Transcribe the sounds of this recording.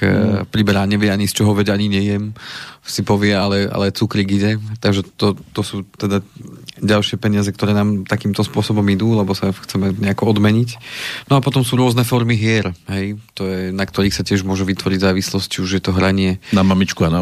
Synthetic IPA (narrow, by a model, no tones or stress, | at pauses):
pɾibɛɾaːɲɛʋɪɛaɲist͡ʃɔɦɔʋɛɟaɲiɲɛjɛmsipɔʋɪɛalɛa̰lɛt͡sukɾiɡiɟɛt̪aɡʒɛt̪ɔt̪ɔsuːt̪ɛd̪aɟalʃɪɛpɛɲɪazɛk̚t̪ɔɾɛːnaːmt̪akiːmt̪ɔspʊɔsɔbɔmid̪uːlɛbɔsaxt͡sɛmɛɲɛakɔɔd̪mɛɲicnɔapɔt̪ɔmsuːɾʊɔznɛfɔɾmiɦɪɛɾɦɛjt̪ɔjɛnakt̪ɔɾiːxsacɪɛʒmʊɔʒuʋit̪ʋɔɾiɟzaːʋislɔsct͡ʃiuʒjɛt̪ɔɦɾaɲɪɛnamamit͡ʃkuana